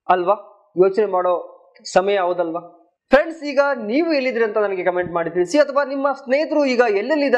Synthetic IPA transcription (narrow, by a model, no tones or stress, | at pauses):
ɐlʋaː | joːt͡ʃnemaːɽo̞ː | sɐmɐjɐɐʋud̪ɐlʋaː | pʰɾeɳɖsiːɡɐniːʋuelːid̪ɾeɐnt̪ɐnɐnɐɡe̞kɐme̞ɳʈmaːɽid̪iːɾisiɐt̪ʰɐʋaːnimːɐsneːjt̪ɾuiːɡɐelːɐlːid̪